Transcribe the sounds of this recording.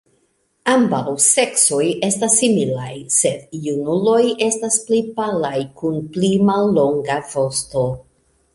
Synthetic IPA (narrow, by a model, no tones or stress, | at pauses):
ambawse̞kso̞je̞stasːimilajse̞djunulo̞je̞stasplipalajkunplimalːo̞ŋɡavo̞sto̞